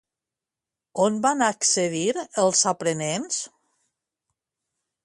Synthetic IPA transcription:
onbanaksəðiɾəlˠzapɾənens

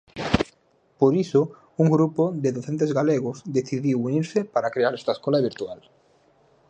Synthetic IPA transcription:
poɾiso | uŋɡɾupoðeðoθent̪ezɣaleɣ̞ʊsd̪eθiðiwuniɾsɪpaɾakɾeaɾɛst̪aeskolaβiɾt̪ual

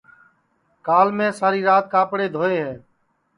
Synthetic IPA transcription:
kaːlmẽːsaːɾiːɾaːt̪̚kaːpɽeːd̪ʱoːeːɦɛ̃ː

